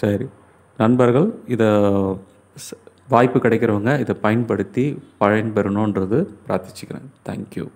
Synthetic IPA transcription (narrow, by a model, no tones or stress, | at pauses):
sɐɾi | nɐnbɐɾɣɐɭɪðɐ | ʋaːjpːɯkɪɽɐɪkːɪɾɐʋɯŋɡɐɪðɐpɐjɐnpɐɽɯt̪ːipɐɻɐnbɐɾɯɳõːɛnrɐðɯpɾaːt̪ɪ̥t͡ʃːɯ̥kːɪɾḛ̃ːŋt̪ʰa̰ːŋkjṵ